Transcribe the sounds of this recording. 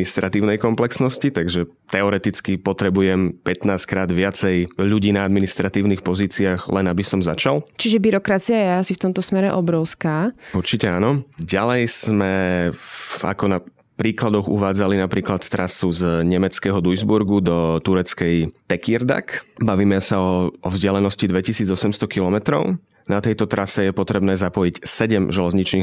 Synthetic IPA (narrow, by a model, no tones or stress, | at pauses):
nist̪ɾat̪iːʊnɛjkɔmplɛksnɔscit̪aɡʒɛ | t̪ɛɔɾɛt̪it͡skipɔt̪ɾɛbujɛmpɛt̪naːskɾaːd̪ʋɪat͡sɛjʎuɟiːnaad̪minist̪ɾat̪iːʊnixpɔziːt͡siaːɣlɛnabisɔmzat͡ʃalt͡ʃiʒɛbiɾɔkɾat͡siajɛasift̪ɔmt̪ɔsmɛɾɛʔɔbɾɔʊskaːuɾt͡ʃicɛaːnɔɟalɛjz̥mɛ | a̰kɔna | pɾiːklad̪ɔɣṵʋaːd͡zalinapɾiːklat̪t̪ːɾʔasuzɲɛmɛt͡skɛːɦɔd̪ujzbuɾɡud̪ɔt̪uɾɛt͡skɛjt̪ɛkiɾd̪a̰kbaʋiːmɛsaɔɔvzɟɪalɛnɔscid̪ʋɛcisiːd͡zɔsɛmst̪ɔkilɔmɛt̪ɾɔ̰ʊ | nat̪ɛjt̪ɔt̪ɾʔasɛjɛpɔt̪ɾɛbnɛːzapɔjicsɛɟɛmʒɛlɛzɲit͡ʃniː